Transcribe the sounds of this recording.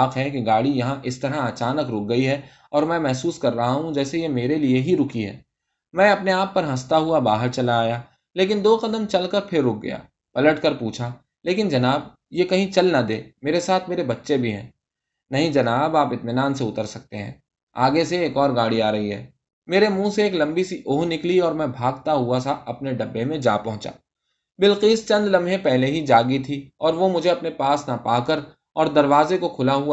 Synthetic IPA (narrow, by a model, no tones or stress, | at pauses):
aːqɦɛkeɡaːɽijɐɦãʔɪst̪ɐɾɦaɐt͡ʃaːnəkɾʊk̚ɡɐiɦɛ | ɔːɾmɛ̃ːmɛɦsuːskɐɾːɐɦaɦũd͡ʒɛːsejemeːɾelieɦiɾʊkiɦɛ̰ː | mɛ̃ːɐpneaːpːɐɾɦɐst̪aɦuabaːɦəɾt͡ʃɐlaːja | leːk̬ɪnd̪oːqɐd̪əmt͡ʃɐlkəɾpʰɪɾːʊk̚ʰɡɐ̰ja̰ː | pɐləʈkɐɾpuːt͡ʃʰa | leːkɪnd͡ʒɐnaːb | jekɐɦĩt͡ʃɐlnad̪eːmeːɾesaːt̪ʰmeːɾebɐtːʃebʱiɦɛ̰̃ː | nɐɦĩd͡ʒɐnaːbaːpɪt̪mɪnaːnseʊt̪əɾsɐk̚t̪eɦɛ̰̃ː | a̰ːɡeseːkɔːɾɡaːɽiaːɾɐɦiɦɛ̰ː | meːɾemũːseeːklɐ̃mbisiʔoːɦnɪkliɔːɾmɛ̃bʱaːɡt̪aɦʊasaɐpneɖɐbːemẽd͡ʒa̰ːpɐɦʊ̃t͡ʃa̰ː | bɪlqiːst͡ʃɐ̃nd̪lɐ̃mbʱɦẽpɛɦleɦid͡ʒaːɡit̪ʰiɔːɾʋomʊd͡ʒʱeɐpnepaːsnapaːkəɾ | ɔːɾd̪ɐɾʋaːzekokʰʊlaɦua